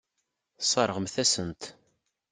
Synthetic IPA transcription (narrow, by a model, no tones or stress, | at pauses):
sˤɑɾˤəʁəmθæsənt̪